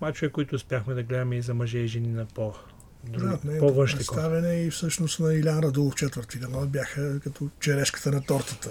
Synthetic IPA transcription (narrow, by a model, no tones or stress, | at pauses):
mat͡ʃʊvɛkːʊit̪ʊːspʲjaxmɛd̪ɐɡlɛd̪ɐmɛizɐmɐʒɛiʒɛninɐpo | d̪ɾut̪nɛpɔvə̃ʃt̪ist̪avɛnɛifsɤʃnost̪nɐilʲanɾɐd̪ulˠoft͡ʃɛt̪vəɾt̪id̪ɐnabjaxəkɐt̪ʰɔt͡ʃɛɾɛʃkə̥t̪ənɐt̪ɔɾt̪ət̪ə